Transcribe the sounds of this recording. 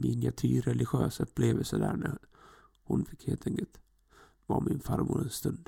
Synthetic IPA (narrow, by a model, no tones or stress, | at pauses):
mɪnɪat̪ʰyːɾɛlɪɧøːsœpːleːvəlsəd̪æːɳæ | hʊnfɪkːheːlt̪ʰɛŋkəlt̪ | vɑːmɪnfaɾmuːɾɛnst̪ɵnd̪